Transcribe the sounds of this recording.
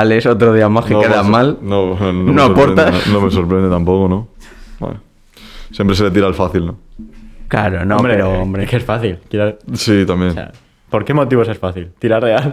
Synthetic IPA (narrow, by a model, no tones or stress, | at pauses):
alesot̪ɾoð̞iamaskekeðamalnononnoapoɾt̪anomeso̞ɾpɾend̪et̪ampokonoa̰ | sjempɾe̞s̬ele̞t̪iɾalfaθilnokla̰ɾonomɾeɾoombɾekesfaθilkeɾasit̪amjẽ̞na̰ | po̞ɾke̞mo̞t̪iβo̞sesfaθilt̪iɾaɾreal